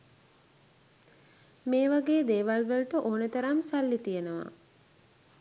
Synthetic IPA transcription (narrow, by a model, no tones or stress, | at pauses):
meːʋaɡeːd̪eːʋalʋəlʈəʔoːnət̪əɾamsalːit̪ijenəʋa̰